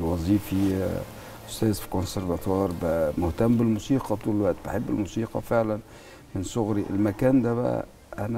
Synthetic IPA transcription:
wɑzˤiːfi | ʔʊst̪æːzfi̥konseɾvat̪ɑːɾˤbamʊht̪æmːbɪlmusiːqɑt̪uːllwaʔt̪bɪħɪbːɪlmusiːqɑ̰fɪʕlæn | mɪnsʊɣɾiʔɪ̰lmækæːnd̪æbæ̰ | ʔænæ

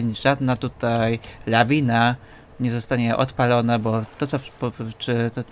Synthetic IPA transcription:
ɲʐad̪nat̪ut̪ajlavʲina | ɲɛzɔst̪aɲɛʔɔ̰t̪palɔnabɔt̪ɔt̪sɔpɔʂɘ

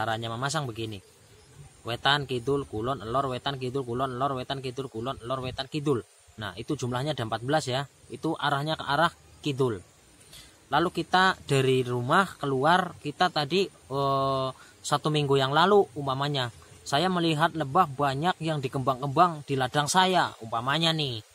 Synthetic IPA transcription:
t͡ʃaɾaɲamamas̬aŋbəɡini | wet̪ankid̪ʊlkulɔnəlɔrwet̪ank̬id̪ʊlkulɔnəlɔrwet̪ankid̪ʊlkulɔnəlɔrwet̪ankid̪ʊl | na̰hit̪ud͡ʒumlahɲadaəmpat̪̚bəlasjait̪uʔaɾahɲaaɾah | kidʊl | lalukit̪ad̥a̤ɾirumahkəluarkit̪at̪adi | ə | sat̪umiŋɡujaŋlaluumpamaɲa | sajaməliɦat̪̚ləbahbaɲak̚jaŋdikəmbaŋkəmbaŋd̥iladaŋsajaumpamaɲani

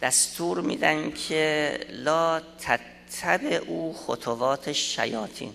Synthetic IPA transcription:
d̪̥æst̪ʰuːɾmḭːd̪ænkʰelɒːt̪ʰætt̪ʰːæbeʔuːxot̪ʰovɒːt̪ʰeʃːæ̰jɒːt̪ʰḭːn

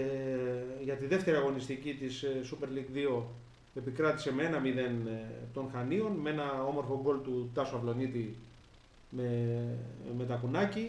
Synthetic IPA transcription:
ʝɐt̪iðe̞ft̪eɾiɐɣo̞nist̪icit̪issːupe̞ɾliɡðio̞ | e̞pikɾɐt̪i̥se̞mee̞nɐmiðe̞nt̪o̞nxɐnio̞nmee̞nɐo̞mo̞ɾfo̞ɡo̞lt̪ut̪ɐsoɐvlo̞nit̪i | me | me̞t̪ɐkunɐci

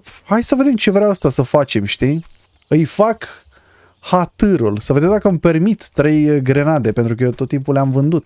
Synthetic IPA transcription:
hajsəve̞d̪emt͡ʃe̞vɾeawast̪asəfat͡ʃe̞mʃt̪i | ɨjfak | hat̪ɨɾulsəve̞d̪emd̪akəmpe̞rmit̪ːɾe̞jɡɾe̞nad̪e̞pe̞nt̪ɾukəjet̪ot̪ːimpuleamvɨnd̪ut̪

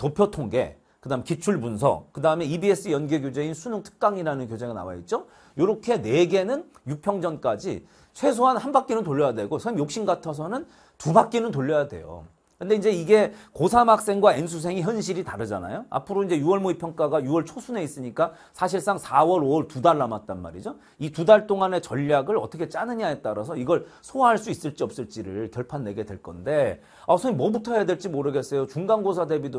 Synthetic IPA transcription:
topʰjʌtʰoŋɡe̞̰ | kɯdaɯmekit͡ɕʰuɭbuns̬ʰʌ̰kɯdaɯme̞ibie̞s͈ɯjʌnɡeɡjod͡ʑe̞insʰunuŋtʰɯ̥k̚k͈aŋiɾanɯnkjod͡ʑe̞ɡana̰wa̰jḭt̚t͡ɕ͈o | joɾʌkʰe̞ne̞ɡe̞nɯn | juk̚pʰjʌŋd͡ʑʌnk͈ad͡ʑḭ | t͡ɕʰwe̞s̬ʰoɦanhanbak͈inɯntoʎːʌjadwe̞ɡosʰamjok̚ɕ͈inɡatʰʌs̬ʰʌnɯn | tubak͈inɯntoʎːʌjadwe̞̰jo̰ | kɯnde̞ind͡ʑe̞iɡe̞kosʰamak̚s͈e̞ŋɡwaensʰus̬ʰe̞ŋiçjʌnɕʰiɾitaɾɯd͡ʑa̰na̰joa̰pʰɯɾoind͡ʑe̞juʌɭmoipʰjʌŋk͈aɡajuʌɭt͡ɕʰosʰune̞is͈ɯɲik͈a | sʰaɕ̬ʰiɭs͈aŋsʰawʌɾoʌɭtudaɭːamat̚t͈anma̰ɾid͡ʑo | itudaɭt͈oŋane̞t͡ɕʌʎːaɡɯɭʌt͈ʰʌkʰe̞t͡ɕ͈anɯɲaet̚t͈aɾas̬ʰʌiɡʌɭsʰoaɦaɭs͈uis͈ɯɭt͡ɕ͈iʌp̚s͈ɯɭt͡ɕ͈iɾɯɭkjʌɭpʰanːe̞ɡe̞dwe̞ɭk͈ʌ̰nde̞ | asʰʌimʌbutʰʌejadweɭt͡ɕ͈imoɾɯɡes͈ejot͡ɕuŋɡanɡosʰade̞bido

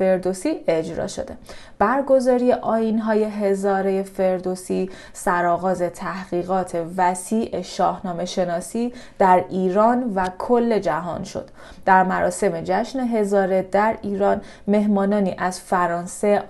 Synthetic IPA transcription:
fe̞ɾd̪osiːʔe̞d͡ʒɾɒ̰ːʃo̞̰d̪e̞̰ | b̥æɾɡo̞zɒːɾije̞ʔɒːjinɦɒːje̞ɦezɒːɾeje̞fe̞ɾd̪osi | sæɾɒːɣɒːze̞t̪ʰæhɣ̥iːɣɒːt̪ʰe̞væsiːʔeʃɒːhnɒːme̞ʃe̞nɒːsiːd̪̥æɾiːɾɒːnvækʰolːe̞d͡ʒæɦɒ̰ːnʃo̞̰d̪̥ | d̪̥æɾmæɾɒ̰ːse̞me̞d͡ʒæʃne̞ɦe̞zɒːɾe̞d̪æɾiːɾɒːn | me̞ɦmɒːnɒːniːʔæz̥fæɾɒːnse̞

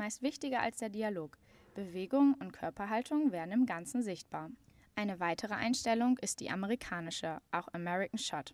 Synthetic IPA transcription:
maɪstv̥ɪçtɪɡɐʔa̰lsd̥eːɐdialoːk | b̥əveːɡʊŋʊntkʰœɐpɐɦaltʰʊŋvɛːɐdn̩ɪmɡant͡sn̩zɪçt̚b̥aːɐ | ʔaɪnəvaɪtʰəʁ̞əʔa̰ɪnʃtɛlʊŋɪstd̥ḭːʔaməʁ̞ikʰaːnɪʃəʔaʊxʔamɛʁɪkn̩ʃɔt

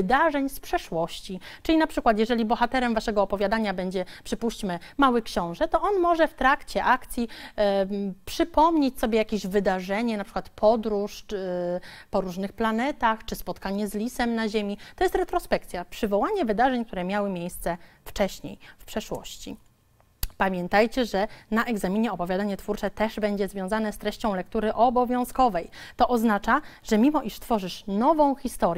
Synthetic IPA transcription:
d̪aʐɛɲspʂɛʂwɔɕt͡ɕit͡ʂɘlʲinapʂɘkwat̪̬jɛʐɛlʲibɔxat̪ɛɾɛmvaʂɛɡɔːpɔvʲjad̪aɲabɛɲd͡ʑɛpʂɘpuɕt͡ɕmɘmawɘkɕɔ̃w̃ʐɛt̪ɔʔɔnmɔʐɛft̪ɾakt͡ɕɛʔakt̪sʲji | pʂɘpɔmɲet͡ɕʲsɔbʲjejakʲeʑvɘd̪aʐɛɲɛnapʂɘ̥kwat̪pʰɔd̪ɾuʂ | pɔɾuʐnɘxplanɛt̪axt͡ʂɘspɔt̪kaɲɛzlʲisɛmnaʑemʲit̪ɔjɛst̪ɾɛt̪ɾɔspɛkt̪sʲjapʂɘvɔwaɲɛvɘd̪aʐɛɲk̚t̪uɾɛmʲjawɘmʲjejst̪sɛft͡ʂɛɕɲḛjfpʂɛʂwɔ̰ɕt͡ɕḭ | pamʲjɛnt̪ajt͡ɕɛʐɛnaʔɛɡzamʲiɲɛɔpɔvʲjad̪aɲɛt̪fuɾt͡ʂɛt̪ɛʐbɛɲd͡ʑɛzvʲjɔ̃w̃zanɛst̪ɾɛɕt͡ɕɔ̃w̃lɛk̚t̪uɾɘʔɔbɔvʲjɔ̃w̃skɔvɛjt̪ɔʔɔznat͡ʂaʐ̥ɛmʲimɔʔiʂst̪fɔʐɘʂnɔvɔ̃w̃xʲist̪ɔɾ

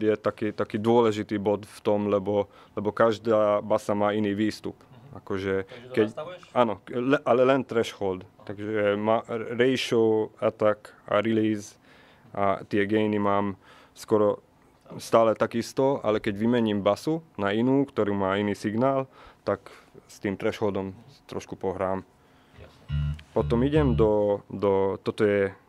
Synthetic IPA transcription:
jɛt̪akit̪akiːd̪ʊɔlɛʒit̪iːbɔt̪ft̪ɔmlɛbɔ | lɛbɔkaʒd̪aːbasamaːiniːʋiːst̪ṵpakɔʒɛkɛanɔʔalɛlɛnt̪ɾɛʃxɔld̪t̪aɡʒɛmaɾɛjʃɔʊat̪aka̰ɾiliːz | ʔa̰t̪ɪɛɡɛjnimaːm | skɔɾɔ | st̪aːlɛt̪aɡist̪ɔa̰lɛkɛɟʋimɛɲiːmbasunainuːkt̪ɔɾuːmaːiniːsiɡnaːlt̪akst̪iːmt̪ɾɛʃxɔld̪ɔmt̪ɾɔ̰ʃkupɔɦɾaːm | pɔt̪ɔmiɟɛmd̪ɔd̪ɔt̪ɔt̪ɔjɛ

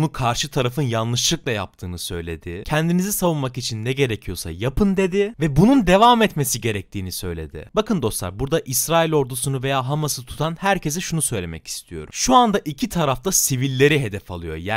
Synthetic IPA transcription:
nukʰaɾʃɯt̪ʰaɾafɯnjanlˠɯʃlˠɯklˠaja̰p̚t̪ʰɯːnɯsø̞jlʲe̞d̪ɪcʰɛnd̪inizisavunmakit͡ʃʰinːɛɟe̞ɾecʰijo̞sa̰japʰɯnd̪e̞d̪ɪvɛbunund̪e̞vamɛt̪me̞siɟe̞ɾɛc̚t̪ʰiːnisø̞jlʲe̞̰d̪ɪ̰bakɯnd̪o̞slˠa̰ɾbuɾd̪aʔisɾaːilʲo̞ɾd̪usunuve̞jaːɦamasɯt̪ʰu̥t̪ʰanhæɾce̞s̬ɛʃunusø̞jlʲe̞̰mɛ̰cʰi̥st̪ʰijo̞ɾumʃuand̪aʔicʰit̪ʰaɾaft̪asivilʲːe̞ɾiɦe̞d̪ɛfa̰lˠɯjo̞̰ja

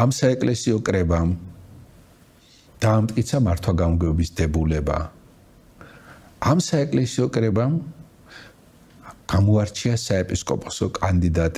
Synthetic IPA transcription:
amsaɛkʼlɛsiɔkʼɾɛbam | d̪̥aːmt̪ʼkʼit̪sʰamaɾt̪ʰwaɡamɡɛbisd̪ɛbulɛba̰ | amsaɛkʼlɛsiɔkʼɾɛbam | ɡ̥amɔaɾt͡ʃʰiasaɛpʼiskʼɔ̰pʼɔsɔkʼand̪id̪at̪ʼ

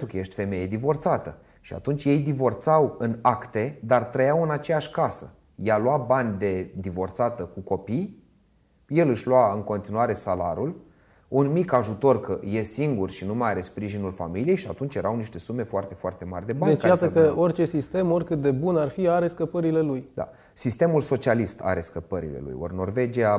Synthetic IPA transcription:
ukəje̞ʃt̪ʲfe̞me̞je̞d̪ivo̞rt̪sat̪ə | ʃia̰t̪unt͡ʃʲjejd̪ivo̞rt̪sawɨnakt̪e̞d̪art̪ɾəjawɨnat͡ʃe̞jaʃʲkasə | jaluabanʲd̪e̞d̪ivo̞rt̪sat̪əkuko̞pij | je̞lɨʃʲluaɨŋko̞nt̪inuaɾe̞sala̰ɾul | unmikaʒut̪o̞rkəjesiŋɡurʃinumajaɾe̞spɾiʒinulfa̰milije̞jʃia̰t̪unt͡ʃje̞ɾawniʃt̪e̞sume̞foart̪e̞foa̰rt̪e̞ma̰rʲd̪e̞baneajasəkəorʲt͡ʃe̞sist̪e̞morʲkɨt̪̚d̪e̞bunarfiaɾe̞skəpəɾile̞lujd̪a̰ | sist̪e̞mulso̞t͡ʃialist̪ʰa̰ɾe̞skəpəɾḭlḛlṵjo̰rno̞rve̞d͡ʒia

